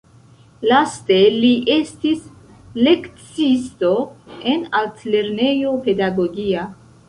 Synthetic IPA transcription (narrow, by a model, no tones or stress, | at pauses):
laste̞liʔe̞stis | le̞kt͡sisto̞e̞naltle̞ɾne̞jo̞pe̞daɡo̞ɡia